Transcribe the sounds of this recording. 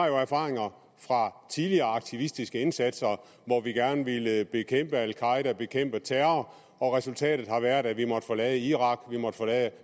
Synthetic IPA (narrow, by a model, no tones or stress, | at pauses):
ɑ̈jo̝æɐfɑ̰̈ːʁe̝ŋɐ | fʁɑ̈t͡sʰiðliɐːɑ̈ɡ̥̚t͡sʰiʋisd̥isɡ̥əe̝nsæd̥sɐ | ʋɒʋiɡ̥æɐnəʋeləb̥e̝kʰem̰b̥əælkʰɑ̈ɪdæb̥e̝kʰem̰b̥ət͡sʰæːɐɐ | ɒ̽ʁɛsult͡sʰɛ̰ːd̥ð̩ˠhɑ̈ʋæɐ̰d̥æʋimɒ̽d̥ə̥folɛːðˠəiʁɑ̈ɡ̥ʋimɒ̽d̥əfɒlɛðə